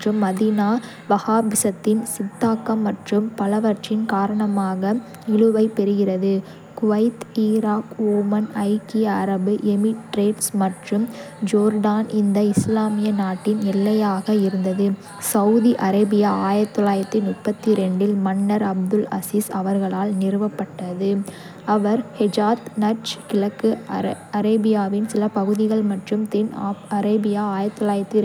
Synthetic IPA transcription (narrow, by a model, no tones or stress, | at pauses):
rɯmːɐðinaː | ʋɐɣaːbɪsɐt̪ːɪnsɪd̪ːaːkːɐmːɐʈrɯmpɐlɐʋɐʈt͡ʃɪnkaːɾɐɳɐmaːɣɐ | ɪɭɯʋɐɪpːɛɾɯɣɪrɐðɯ | kʊʋɐɪt̪iːɾaːkoːmɐnɐɪkɪjɐːɾɐbɯʔɛmɪʈɾeːʈsmɐʈrɯm | d͡ʒoːɾɖaːnɪnd̪ɐɪslaːmɪjɐnaːʈːɪnɛlːɐjaːɣɐɪɾɯnd̪ɐðɯ | sɐʊðiʔɐɾɐːbɪjaaːjɐt̪ːɔɭaːjɪɾɐt̪ːɯnʊʈpːɐt̪ːiɾɛɳɖɪlmɐɳːɐɾɐb̚d̪ɯlɐ̰siːsɐʋɐɾɣɐɭaːlnɪɾɯʋɐpːɐʈːɐðɯ | ɐʋɐɾhɛd͡ʒaːt̪nɐɾt͡ʃkɪɭɐkːɯ | ɐɾeːbɪjaːʋɪnsɪlɐpɐɣɯðɪɣɐɭmɐʈrɯmt̪ɛnːɐɾeːbɪjaaːjɐt̪ːɔɭaːjɪɾɐt̪ːɯ